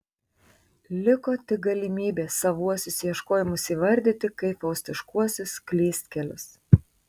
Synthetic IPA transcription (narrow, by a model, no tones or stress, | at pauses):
lʲɪkoːt̪ʲɪɡɐlʲɪmʲiːbʲeːsɐʋuɔsʲʊsʲjɛʃkoːjɪmʊsʲiːʋɐɾʲd̪ʲɪt̪ʲɪkɐɪpɐʊsʲt̪ʲɪʃkuɔsʲʊsklʲiːsʲt̪ʲkʲɛlʲʊs